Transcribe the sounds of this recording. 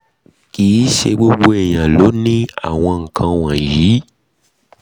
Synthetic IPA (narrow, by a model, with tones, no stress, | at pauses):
kiː˨˦ʃe˧ɡ͡bo˦ɡ͡bo˦ɛ˨j̃ã˨lo˨˦nĩ˦a̰˦˨w̃ɔ̃˧ŋ̩˨kʰã˧w̃ã˨ji˨˦